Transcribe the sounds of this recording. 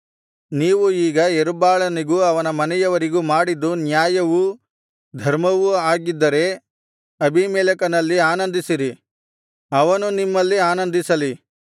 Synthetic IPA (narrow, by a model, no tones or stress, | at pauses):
niːʋuiːɡɐeɾubaːɭɐniɡuɐʋɐnɐmɐnɛjɐʋɐɾiɡumaːɽid̪ːunjaːjɐʋu | d̪ʱɐɾmɐʋuaːɡid̪ːɐɾe̞ | ɐbʱimɛːlɐkɐnɐlːiaːnɐnd̪isiɾi | ɐʋɐnunimːɐlːiaːnɐnd̪isɐli